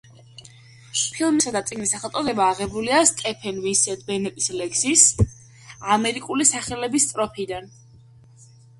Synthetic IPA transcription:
pʰilˠmisad̪at̪sʼiɡnisaχɛlˠt̪ʼɔd̪ɛbaːʁɛbuliast̪ʼɛpʰɛnwinsɛd̪̚bɛnɛt̪ʼislɛksis | amɛɾikʼulisaχɛlɛbist̪ʼɾɔpʰid̪an

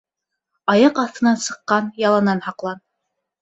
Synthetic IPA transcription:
ɑjɑqɑθt̪ɤ̆nɑnsɤ̆qːɑnjɑlˠɑnɑnhɑqlˠɑn

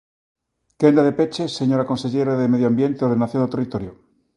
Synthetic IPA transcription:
kend̪aðe̞pet͡ʃesːeɲoɾako̞nse̞ʎeɾaðemeðjoambje̞nt̪eoɾðenaθjonet̪erit̪oɾjo

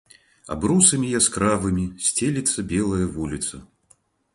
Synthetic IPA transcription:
a̰bɾusɐmʲijaskɾavɨmʲisʲt͡sʲelʲit̪sːɐbʲɛlˠɐjɐvulʲit̪sɐ̰

